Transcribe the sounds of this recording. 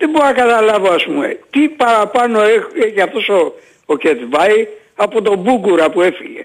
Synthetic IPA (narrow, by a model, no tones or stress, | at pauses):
ðeboɾɐkɐt̪ɐlɐvoɐspumḛt̪ipɐɾɐpɐnoeeçiɐft̪o̞so | ocet̪vɐi | ɐpo̞t̪o̞buɡuɾɐpue̞fiʝḛ